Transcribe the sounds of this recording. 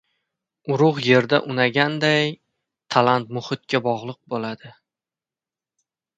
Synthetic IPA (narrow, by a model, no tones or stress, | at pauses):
ʊɾʊχje̞ɾd̪a̰ʔʊnaɡʲand̪aj | t̪ʰalant̪̚mʊχɪt̪̚kʲʰabɒʁlˠɨq̚bolad̪ɪ